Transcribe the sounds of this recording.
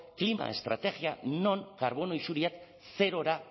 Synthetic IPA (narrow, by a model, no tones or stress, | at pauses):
klima̰e̞̰st̪ɾa̰t̪e̞ɣiano̞ŋkaɾβo̞no̞isuɾiat̪ | se̞ɾo̞ɾa